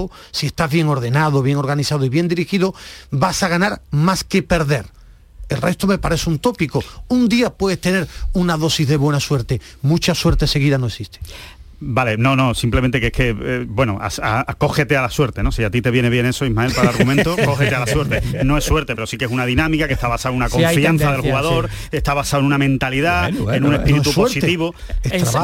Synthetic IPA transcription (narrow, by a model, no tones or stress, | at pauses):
o | sie̞st̪azβje̞ŋo̞ɾðe̞nað̞oβje̞ŋo̞ɾɣaniθað̞oiβje̞nd̪iɾixiðobasaɣanaɾmaske̞pe̞ɾðe̞ɾ | elre̞st̪ome̞paɾe̞seunt̪o̞pikound̪iapwe̞ðest̪e̞ne̞ɾunaðo̞sizðe̞βwe̞naswe̞ɾt̪emut͡ʃaswe̞ɾt̪ese̞ɣ̞iðanoesist̪e | bale̞nõ̞nõ̞simplemẽnt̪ekehke̞bwe̞noʔa̰sako̞xe̞t̪e̞alaswe̞ɾt̪e̞no̞siat̪it̪e̞βje̞neβjene̞soiɦmaelpaɾalaɾɣumẽnt̪okoxet̪ealaswe̞ɾt̪enoe̞sːwe̞ɾt̪e̞pe̞ɾo̞sikesunaðinãmikake̞ht̪aβasaoenunakoffianθaðe̞lxuɣaðo̞ɾ | e̞st̪aβasaoenunamẽnt̪aliðaenũnesnpiɾiuspoeɾtsit̪iβo | est̪ɾa